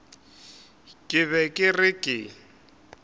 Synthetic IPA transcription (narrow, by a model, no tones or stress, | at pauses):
kʼɪβɛkʼɪrɪkʼɪ